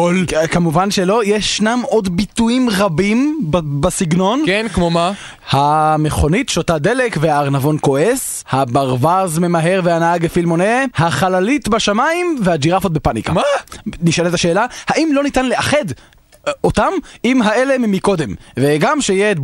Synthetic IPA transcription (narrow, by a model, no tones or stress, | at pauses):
olkamuvanʃelo̞jeʃːnamʔo̞d̪bit̪uimʁabimbbasiɡno̞nkenkmoma | hameχo̞nitʃotad̪elekveaːʁnavo̞nko̞ʔes | habaʁvazme̞maɦe̞ʁvehanaaɡefilmo̞nehaχalalitbaʃamaimvehad͡ʒiʁafot̪̚bepanḭka̰maniʃalet̪aʃe̞ːlahaʔimlo̞nitanle̞aχed | ot̪amimɦaʔe̞le̞mimiko̞d̪e̞mveɡamʃejet